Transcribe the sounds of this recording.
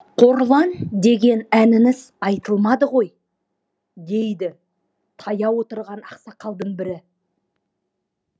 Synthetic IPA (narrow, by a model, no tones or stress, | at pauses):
qʰo̞ɾlˠɑnd̪e̞ɡʲe̞nænɪŋɪz̥ | ɑjt̪əlˠmɑd̪əʁo̞j | d̪e̞jd̪ɪ | t̪ʰɑjɑwo̞t̪əɾʁɑnɑ̰qsɑqʰɑlˠd̪əɴbɪɾɪ